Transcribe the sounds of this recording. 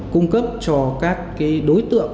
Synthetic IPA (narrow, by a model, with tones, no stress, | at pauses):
kʊ˧ŋ͡mkə˦˥p̚t͡ɕɔ˧kaː˦˥kːaː˨˦jɗo˨˦jt̪ɨ̰˧˨əŋ